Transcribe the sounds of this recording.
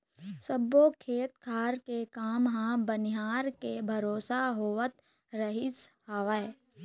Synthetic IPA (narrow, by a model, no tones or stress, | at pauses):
səbːokʰeːt̪kʰaːɾkekaːmɦãbənɪɦaːɾkebʱəɾoːsaɦoːət̪ | ɾəɦɪsɦaʋəe